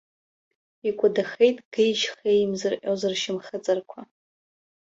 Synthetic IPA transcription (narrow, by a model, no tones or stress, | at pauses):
ikʷʼʊdaχejtʼɡ̥ɨjʃχejmzɨrʔʲʼozɨrʃɪmχət͡sʼɨrkʷʰa